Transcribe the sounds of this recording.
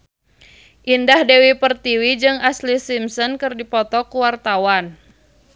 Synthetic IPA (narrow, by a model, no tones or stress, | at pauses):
ʔindahdewipərt̪iwid͡ʒɨŋaslisimsɔnkɨrdipɔt̪ɔkuwart̪awan